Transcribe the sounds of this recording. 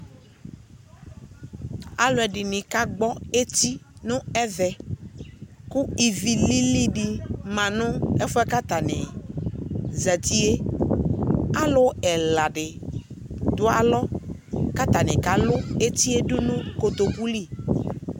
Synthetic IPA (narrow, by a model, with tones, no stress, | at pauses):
a˨lʊ˨ɛ˨ɖɪ˨nɪ̃˨ka˦ɡ͡bɔ˦e˦t̪i˦nʊ̃˦ɛ˦vɛ˨ | kʊ˦i˨vi˨li˦li˦ɖi˨mã˨nʊ̃˦ɛ˦fʊ˦ɛ˦ka˦t̪a˨nɪ̃˨ | zɛ˨t̪i˦e˦ | a˦lʊ˦ɛ˨la˨ɖɪ˨ | d̪ʊ˦a˨lɔ˦ka˦t̪a˨nɪ̃˨ka˨lʊ˦e˦t̪i˦e˦ɖʊ˦nʊ̃˦ko˨t̪o˨pu˦li˦˨